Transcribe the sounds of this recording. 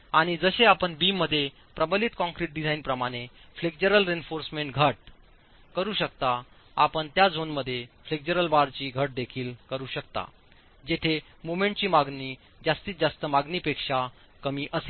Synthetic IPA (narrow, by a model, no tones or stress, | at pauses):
aɽ̃id͡zəɕeapəɳbiːmːəd̪ʱːje | pɾəbəliːt̪kɔ̃ŋkɾiʈ̚ɖid͡zainpɾəmaɽ̃efleɡ̚d͡ʑəɾəlɾenfoɾsmeɳʈɡʱəʈ̚ | kəɾuːɕək̚t̪a | apəɳt̪jad͡zʱonməd̪ʱːjefleɡ̚d͡ʑəɾəlbaɾt͡ɕiːɡʱəʈ̚d̪ekʰiːlkəɾuːɕəkt̪a̰ | d͡ʑet̪ʰe | momẽɳʈt͡ɕiːmaɡniː | d͡ʑast̪iːt̪d͡zast̪əmaɡniːpekʂa | kəmiːʔəse